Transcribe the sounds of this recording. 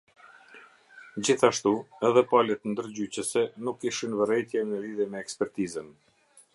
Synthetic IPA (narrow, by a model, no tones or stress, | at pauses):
d͡ʑiθaʃt̪uɛðɛpalɛt̪nd̪əɾd͡ʑyt͡ɕəsɛnukːiʃinvərɛjt̪jɛmnəliðjɛmɛːkspɛɾt̪izən